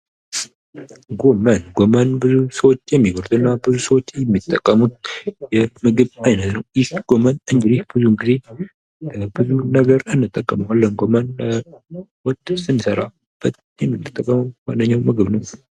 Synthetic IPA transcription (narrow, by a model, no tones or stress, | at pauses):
ɡo̞mənɡomənbɨzusəwot͡ʃːjɛmːiɡoɾd̪uɨnːabɨzusəwot͡ʃːjɛmːit̪ʼːəkʼːəmut̪̚jɛmɨɡɨβajnət̪nəwjɪhɡ̥o̞mənɨŋɡɨd̪ihb̥ɨzunɡize̞ | bɨzunəɡəɾɨnːɨt̪ʼːəkʼːəməwalːənɡo̞mən | wɔt̪ʼːsɨnsəɾa | b̥ːət̪ | jɛmːit̪ːɨt̪ʼːəkʼːəməwandəɲːawmɨɡɨβnəw